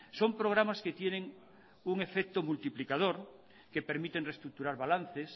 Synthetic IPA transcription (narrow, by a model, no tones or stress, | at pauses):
sompɾoɣ̞ɾamasket̪jeneŋ | uŋefek̚t̪omult̪iplikaðoɾ | kepeɾmit̪enrest̪ɾuk̚t̪uɾaɾβalan̟θes